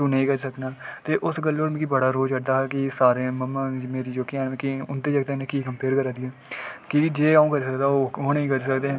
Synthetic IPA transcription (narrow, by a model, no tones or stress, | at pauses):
t̪ũːnəɦĩːkəɾsəknaːt̪eːʔʊsɡəlːoːɾ̃ːkibəɽaːɾoːd͡ʒəʈ̚d̪aːɦɛːkɪsaːɾeːməmaːmeːɾiːd͡ʒoːkiɛ̃ːnmẽːkiʊnt̪eːd͡ʒəɡt̪enẽːkiːkəmpeːɾkəɾaːd̪iːɛːkɪd͡ʒeːaːũːkəɾsəkd̪aːoːoːnɦĩːkəɾisəkd̪eːɦɛ̃ː